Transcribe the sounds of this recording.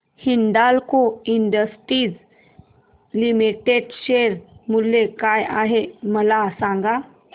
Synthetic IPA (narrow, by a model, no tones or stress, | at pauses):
hiɳd̪alkoiɳɖəsʈɾiːd͡z | limiʈeɖɕeɾmulːekajaɦeməlasãŋɡa